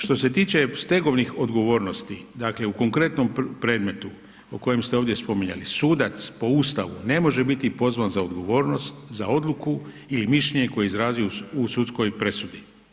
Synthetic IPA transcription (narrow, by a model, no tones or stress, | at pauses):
ʃt̪o̞se̞t̪iːt͡ʃe̞st̪e̞ɡo̞ʋnixo̞d̪ɡo̞ʋo̞ːɾno̞st̪id̪aːkle̞uko̞ŋkɾe̞t̪no̞mpɾe̞ːd̪me̞t̪u | oko̞jemst̪e̞oʋd̪ʲje̞spo̞miɲa̰lisuːd̪at̪spo̞ust̪aʋṵne̞mo̞ʒe̞bit̪ipo̞zʋanzaod̪ɡo̞ʋo̞ːɾno̞st̪zao̞d̪lˠuku | ilimiʃleɲeko̞jeizɾaːzijuusut̪sko̞jpɾe̞sud̪i